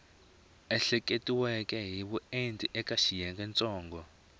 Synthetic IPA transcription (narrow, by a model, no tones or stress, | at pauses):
ɛɬɛkʼetʼiwɛkʼɛɦiɓuentʼiʔɛkʼaʃijɛŋkʼɛnt͡sʼɔːŋɡɔ